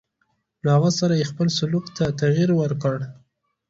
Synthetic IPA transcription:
ləhaɣəsaɾajexpəlsʊlukt̪at̪aɣiɾwəɾkəɽ

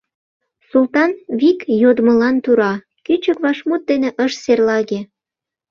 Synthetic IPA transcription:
sult̪ɑnβikjod̪mə̆lɑnt̪uɾɑ | kyt͡ɕəkβɑʃmut̪̚d̪eneʔəʃserlɑɣe

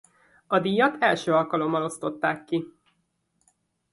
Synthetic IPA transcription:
ɒd̪iːjːɒt̪ʰɛlʃøːɒlkɒlo̞mːɒlo̞st̪o̞t̪ːaːkːi

